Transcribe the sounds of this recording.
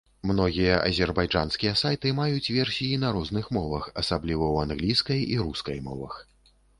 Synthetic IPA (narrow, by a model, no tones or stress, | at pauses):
mnɔɣʲijɐʔɐ̰zʲɛrbajʐa̰nskʲijɐsajt̪ɨmajut͡sʲvʲɛrsʲijinɐɾɔznɨxmɔvɐxɐsablʲivɐwanɣlʲijskɐjiɾuskɐjmɔ̰vɐ̰x